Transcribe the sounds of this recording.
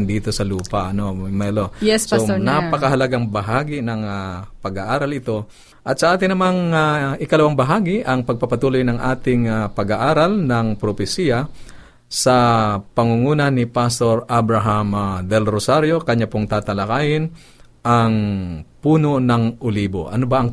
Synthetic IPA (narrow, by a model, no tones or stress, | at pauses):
nd̪iːt̪o̞sɐluːpɐʔɐnomɛlosonapɐkɐɦɐlɐɡaŋbɐɦaːɡɪnɐŋapɐɡaʔaːɾɐlɪt̪o̞ | ʔɐt̪sɐʔaːt̪ɪnɐmaŋaʔɪkɐlɐwaŋbɐɦaːɡɪʔɐŋpɐɡ̚pɐpɐt̪uːlojnɐŋʔaːt̪ɪŋapɐɡaʔaːɾɐlnɐŋpɾopɛsijɐ | sɐpɐŋʊŋuːnɐnɪpast̪o̞ɾabɾaɦamd̪ɛlɾosaɾjo̞kɐɲapoŋt̪aːt̪ɐlɐkaːjɪn | ʔaŋpuːno̞nɐŋʔʊliːbo̰ʔɐ̰nobaʔɐŋ